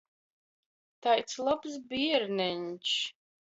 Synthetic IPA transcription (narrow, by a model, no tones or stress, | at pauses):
t̪ajt̪slˠabsbiɛɾnɛnʲt͡ʃ